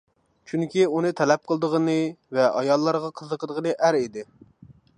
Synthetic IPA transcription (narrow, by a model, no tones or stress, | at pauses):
t͡ʃʰyŋkʲʰiunɨt̪ʰɛlɛp̚qʰəlˠd̪əʁənɨvɛʔɑ̰jɑlˠːɑɾʁɑqʰəzəqʰəd̪əʁənɨʔæɾid̪ɪ